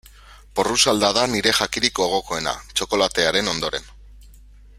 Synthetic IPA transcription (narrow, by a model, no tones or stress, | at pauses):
po̞rusald̪aðaniɾe̞ʝakiɾikoɣ̞o̞ko̞e̞na̰t͡ʃo̞ko̞lat̪e̞aɾe̞no̞nd̪o̞ɾe̞n